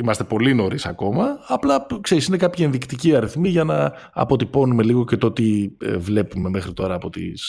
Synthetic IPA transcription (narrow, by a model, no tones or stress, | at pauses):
imɐst̪e̞po̞lino̞ɾisɐ̰ko̞mɐːplɐkse̞ɾisine̞kɐpçie̞nðikt̪iciɐɾiθmiʝɐnɐ | ɐ̰po̞t̪ipo̞nume̞liɣo̞cet̪oot̪ivle̞pume̞mexɾit̪o̞ɾɐːpo̞t̪ḭs